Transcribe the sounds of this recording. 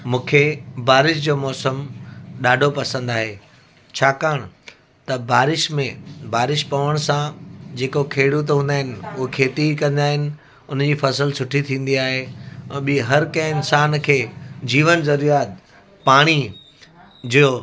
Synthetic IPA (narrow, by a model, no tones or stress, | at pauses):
mũːkʰebaːɾɪʃd͡ʑoːmɔːsəmɗaːɖʱopɐsə̃nd̪aːɦe | t͡ɕʰaːkaːɽ̃ | t̪ɐbaːɾɪʃmẽbʱaːɾɪʃpɐʋəɽ̃sãd͡ʑeːkokʰeːɽut̪ɦũːnd̪aːɦɪnɪ̆ʊɦekʰeːʈikɐ̃nd̪aːɦɪnɪ̆ | ʊn̤d͡ʑiːfɐsəlsʊʈʰit̪ʰĩːn̆d̪iaːɦeɛ̃ːɓiɦɐɾkɐ̃ɦɪ̃ɪnsaːnkʰeːd͡ʑiːʋənzɐɾijaːt̪ | paːɽ̃i | d͡ʑioː